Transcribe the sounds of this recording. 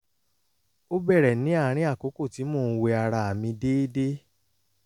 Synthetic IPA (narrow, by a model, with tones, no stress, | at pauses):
o˦bɛ˦˨ɾɛ˨nĩ˨˦a˦˨˦ɾ̃ĩ˦a˦˨ko˨˦ko˦˨ti˨˦moː˦˨˦we˧a˧ɾa˧˨a˨mĩ˧de˦de˦